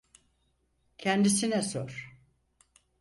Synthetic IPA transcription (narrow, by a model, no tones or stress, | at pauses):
cʰɛnd̪isinɛsoɾ̥